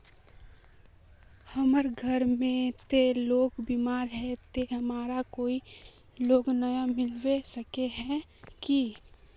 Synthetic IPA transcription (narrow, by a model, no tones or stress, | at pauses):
həməɾɡʱəɾmẽt̪eloːɡbimaːɾɦɛt̪eɦəmaːɾakoːi | loːɡnəjamɪlwesəkeɦɛ̃ki